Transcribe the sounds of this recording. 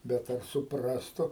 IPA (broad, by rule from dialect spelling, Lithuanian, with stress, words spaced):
ˈbʲɛt ˈɐr sʊˈprɑːstʊ